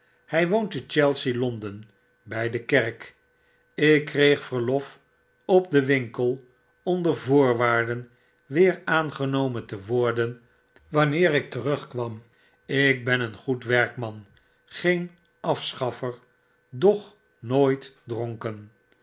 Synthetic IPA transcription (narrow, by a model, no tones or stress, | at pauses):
hɛjʋowntət͡ʃɛlˠsilɔndən | bɛjdəkɛɹk | ɪkːrejχfəɹlɔf | ɔp̚dəʋɪŋkəlˠ | ɔmdəvʊːɹʋaːɹdən | ʋɪːɹaːnχənowməntəʋʊɹdən | ʋɑnɪːɾɪk̚tərɵχkʋɑm | ɪk̚bɛnənχutʋɛɹkmɑn | χejn | ɑfsχɑfəɹ | dɔχ | noːjtdrɔŋkən